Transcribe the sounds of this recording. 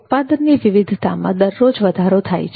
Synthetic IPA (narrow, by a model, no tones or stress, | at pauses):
pad̪ənːiʋiʋid̪ʱit̪amã̰d̪əɾːod͡ʒʋəd̪ʱaɾot̪ʰa̰jt͡ʃʰ